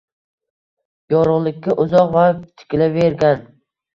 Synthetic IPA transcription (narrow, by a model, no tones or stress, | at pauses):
jɒɾʊʁlˠɪkʲʰːaʔʊzɒqvat̪ʰɪ̥kʲɪlaveɾɡʲan